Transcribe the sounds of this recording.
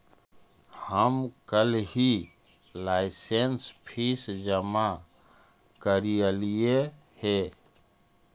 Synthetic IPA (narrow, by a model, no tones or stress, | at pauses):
həmkəlɦi | laːɪsenspʰisd͡ʒəma | kəɾijəlije | hɛ